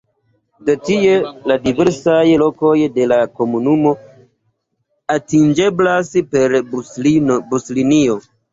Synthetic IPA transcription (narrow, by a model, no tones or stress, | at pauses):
detie̞ladiveɾsajlo̞ko̞jde̞lako̞munumo̞ | atind͡ʒe̞blaspe̞ɾ | buslinio̞